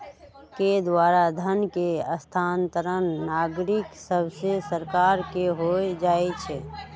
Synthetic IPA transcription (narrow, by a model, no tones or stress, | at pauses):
ked̪waɾad̪ʱənkeəst̪ʰant̪əɾənːaɡɾiksəbʱsesəɾkaɾkeɦoed͡ʒaːɛt͡ʃʰɛ